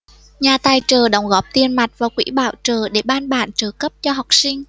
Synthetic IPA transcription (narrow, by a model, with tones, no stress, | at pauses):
ɲaː˨˩t̪aː˨˩jt͡ɕəː˨˩ɗə˧˩wŋ͡mɣɔ˨˦˥p̚t̪i˧ənma˨˩t̚vaː˨˩kwḭ˧˥ɓa̰ː˧˨wt͡ɕəː˨˩ɗe˧˩ɓaː˧nɓa̰ː˧˨nt͡ɕəː˨˩kə˦˥p̚t͡ɕɔ˧ɦa˨˩wk͡p̚sï˧ŋ̟